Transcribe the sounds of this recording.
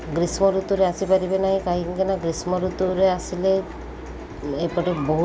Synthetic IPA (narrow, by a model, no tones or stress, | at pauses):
ɡɾismɔɾut̪uɾeasipaɾibenaɦĩkaɦiiŋkenaɡɾismɔɾut̪uɾeasile | epɔʈebɔɦ